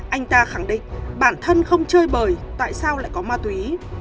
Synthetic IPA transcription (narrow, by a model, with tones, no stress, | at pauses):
ʔa˧jŋ̟t̪aː˧xa˧˩ŋɗḭ˧˨ŋ̟ɓaː˧˩nt̪ʰə˧nxə˧wŋ͡mt͡ɕəː˧jɓəː˨˩jt̪a̰ː˧˨jsaː˧wla̰ː˧˨jkɔ˨˦maː˧t̪wi˨˦